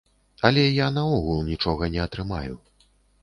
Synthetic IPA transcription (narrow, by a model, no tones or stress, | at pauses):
ɐlʲɛjanɐɔɣulˠnʲit͡ʂɔɣɐnʲɛɐt̪ɾɨma̰jṵ